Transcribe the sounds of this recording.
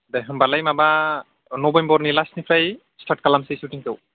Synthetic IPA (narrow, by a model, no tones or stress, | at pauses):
bɛɦɔmbalajmaba | nɔbɔjmbɔɹnilasnipʰɹaj | stat̚kalamsɛsutiŋtɔw